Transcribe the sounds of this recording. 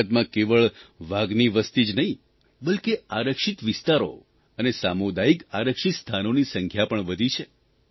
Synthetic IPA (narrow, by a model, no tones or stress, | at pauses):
ət̪mãkeʋəɭʋaɡniʋəst̪id͡ʒnəɦĩ | bəlkeaɾəkʃit̪ʋɪst̪aɾo̰ | ənesamod̪aikaɾəkʃit̪st̪ʰanonisəŋkʰjapəɳʋəd̪ʱit͡ʃʰe